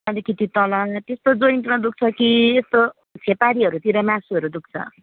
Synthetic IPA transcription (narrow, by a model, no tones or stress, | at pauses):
ad̪ikit̪it̪ʌlʌŋt̪est̪od͡zoint̪uɾʌ̃d̪uk̚t͡sʰʌkiest̪o | t͡sʰepaɾiʌɾut̪iɾʌmãsuʌɾud̪uk̚t͡sʰʌ̰